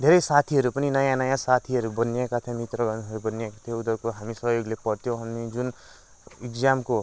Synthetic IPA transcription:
d̪ʱeɾʌjsat̪ʰiɦʌɾupʌninʌjãnʌjãsat̪ʰiɦʌɾubʌnekat̪ʰjomit̪rʌɡʌnɦʌɾubʌnekat̪ʰjoud̪ʌkoɦamisʌɦjoɡlepʌɽt̪ʰjõɦamid͡zun | ikd͡zamko

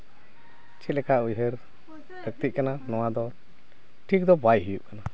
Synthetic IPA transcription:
t͡ʃɛlɛkaujɦəɾ | ək̚t̪iʔ̪̚kananɔwad̪ɔ | ʈʰik̚d̪ɔbajɦijuʔkana

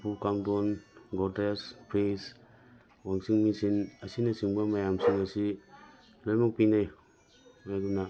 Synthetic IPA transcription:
pukaŋdɔnɡɔtespɾes | waŋsiŋmisinɐsinɐsiŋbɐmajamsiŋɐsi | lojmɔk̚pinaj | ajɡuna

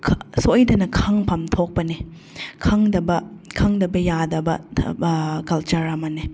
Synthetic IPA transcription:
kʰsojdɐnɐkʰɐŋpʰɐmtʰok̚pɐni | kʰɐŋdɐbɐkʰɐŋdɐbɐjadɐbɐ | kɐlt͡ʃaɾamɐni

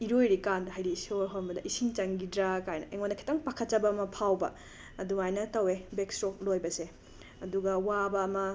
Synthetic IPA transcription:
iɾojɾikandɐɦajɾisoɾɦɔɾmbɐdɐʔisiŋt͡ʃaŋɡidɾakajnɐ̰ʔeŋondɐkʰi̥taŋpakʰɐt̚t͡ʃɐbɐːmɐpʰawbɐ̰ | ɐduŋajnɐtɐwebekstɾok̚lojbɐse | ɐduɡɐwabɐːmɐ

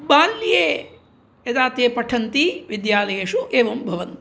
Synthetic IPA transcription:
baːlːjeː | jɐd̪aːt̪eːpɐʈʰɐnt̪iʋid̪jaːlɐjeʂuʔeːʋɐmbʱɐʋɐnt̪i

